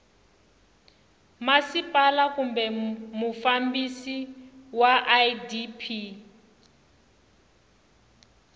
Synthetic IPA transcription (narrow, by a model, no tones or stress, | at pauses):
masipalakumbɛmufambisiwaʔajdipʰi